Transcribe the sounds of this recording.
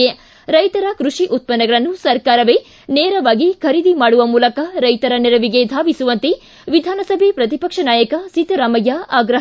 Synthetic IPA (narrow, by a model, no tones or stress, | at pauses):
e | ɾɐjt̪ɐɾɐkɾuʂiʔut̪̚pɐnːɐɡɐɭɐnːusɐɾkaːɾɐʋe | neːɾɐʋaːɡikʰɐɾid̪ʱimaːɽuʋɐmuːlɐkɐɾɐjt̪ɐɾɐniɾɐʋiɡe̞d̪ʱaːʋisuʋɐnt̪e | ʋid̪ʱaːnɐsɐbʱepɾɐt̪̬ipɐkʂɐnaːjɐkɐsit̪ɐɾaːmɐjaaːɡɾɐ